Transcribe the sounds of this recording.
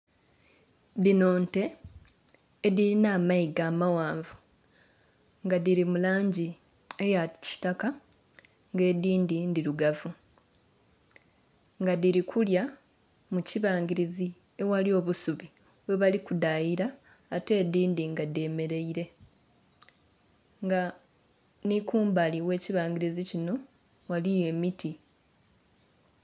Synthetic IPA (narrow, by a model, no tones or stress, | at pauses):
dino̞ːnte̞ | diɾinaːmaiɡaːmawaːɱvu | ŋɡadiɾimulaːɲɟi | ejaci̥taka | ŋɡe̞ːdiːndindiɾuɡavu | ŋɡadiɾikʰulja | muciβaːŋɡiɾizi | ewalio̞ːβusuβi | we̞βalikudajiɾaː | te̞ːd̪iːndiŋɡade̞ːme̞ɾe̞iɾe̞ | ŋɡa | nikuːmbaliwe̞ːciβaːŋɡiɾizicino̞ | walije̞ːmitʰi